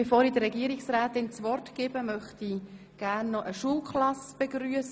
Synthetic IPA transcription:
efoːɾidərɾɛɡiəɾiksɾæːt̪ɪnt͡svɔrtkɪːb̥əmœχti | ɡ̥ærnːɔʔəʃuːlkχlɑsb̥eɡɾyːəs

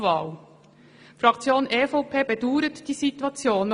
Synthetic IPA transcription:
vɑːl | fɾɑkt͡sjoːnʔeːfoʊpʰeːbɛd̥uːɾətd̥iːzitwɑt͡sjoːn

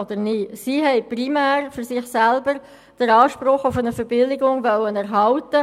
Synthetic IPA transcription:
od̪əɾnisiːɦɛɪprimæːrfʏɾsɪχsɛlbəɾ | d̥əɾɑːʃpɾʊχʊfənəfəɾb̥ɪlɪɡʊŋʋœwənɛɾɦɑltə

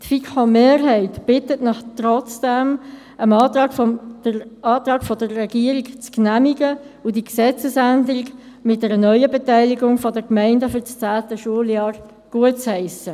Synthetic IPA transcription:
tfikχomeːɾɦɛɪtb̥ɪtətnɪχt̪ɾɔt͡sd̥ɛm | ʔəmɑːt̪ʁɑːɡ̥fo̥əɑːt̪ʁɑːɡfɔdəːɛɡ̥iəɾikt͡sknæmiɡə | ʊdiksɛt͡səsændəɾiɡ | mɪt̚d̥ɛɾənœʏəbɛtæɪliɡʊŋfɔdəkmæɪndəfyɾt͡st͡sæːtəʃuəljɑːɾ | ɡ̥uət̚t͡shɛɪsə

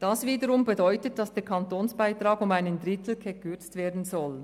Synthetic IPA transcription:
d̥ɑsviːdəɾʊmbɛdɔʏtət̚d̥ɑsd̥eːɐkʰɑntoːnsb̥aɪtʁ̥aːɡʊmaɪnəndʁɪtl̩ɡɛkʰʏɐt͡stv̥eːɐdn̩zɔl

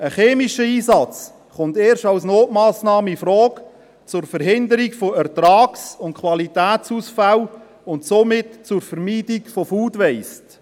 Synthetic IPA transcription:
əχeːmiʃəiːsɑt͡s | χʊnteːɾʃtawsnoːtmɑːsnɑːməifɾɔːk | t͡sʊrfəɾɦɪndəɾikfoærtɾɑːksʊnt̚kʰwɑlitæːt͡suːsfæl | ʊntsomɪtt͡sʊrfəɾmiːdikfofuːdʋɛɪst

